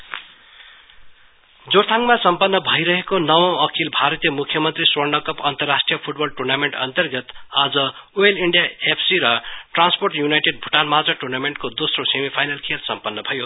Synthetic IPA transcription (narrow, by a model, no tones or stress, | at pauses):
d͡zoɾt̪ʰãŋɡmasʌmpʌnːʌbʱʌjɾʌɦekonʌwõʌkʰilbʱaɾʌt̪ijʌmukʰjʌmʌnt̪riswʌrnʌkʌpʌnt̪ʌrːasʈrijʌpʰuʈ̚bʌlʈurnameɳʈʌ̰nt̪ʌrɡʌt̪ad͡zʌueliɳɖijaepʰsiɾʌʈransporʈjunajʈeɖ̚bʱuʈanmad͡zʌʈurnameɳʈkod̪osrosemipʰajnʌlkʰelsʌmpʌnːʌbʱʌjo